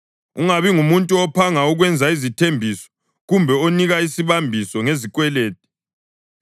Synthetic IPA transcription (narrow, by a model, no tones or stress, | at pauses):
uŋaβiŋumuntʼuɔpʰaŋauɣwɛnd͡zʱaizitʰembʱisɔ̥ | ɣumbʱɛoniɣaisiβambʱisɔŋezik̬ʼwɛleːt̚ʼi̥